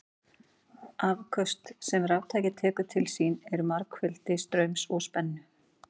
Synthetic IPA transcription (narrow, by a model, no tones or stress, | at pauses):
avkʰœst̪sɛmrawt̪ʰaːjcɪt̪ʰɛːkʏ̥t̪ʰɪlsinɛɾmaɾkfɪlt̪ɪst̪ɾœɥmsɔɣspɛnːʏ